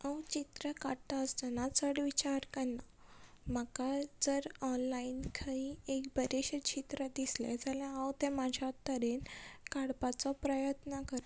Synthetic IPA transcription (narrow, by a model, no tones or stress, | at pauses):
ə̃wt͡ɕit̪ɾəkaɽʈ̪aəst̪ənat͡səɽʋit͡ɕaɾkənːa | m̤akad͡zəɾɔnlainkʰaiekbəɾeɕət͡ɕit̪ɾəd̪islɛ̰̃d͡zalãawt̪ɛ̃mad͡ʑʱjat̪əɾenkaɽpat͡sɔpɾəjət̪nəkəɾ